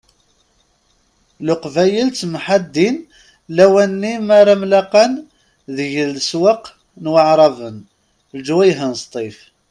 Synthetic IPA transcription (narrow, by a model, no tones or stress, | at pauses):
lʊqvæjəlt͡s̪mħad̪ːin | læwænːimaɾˤamlaqɑn | ðəʝəlswəq | nwəʕɾˤɑvən | ld͡ʒwæjɦənst̪ˤif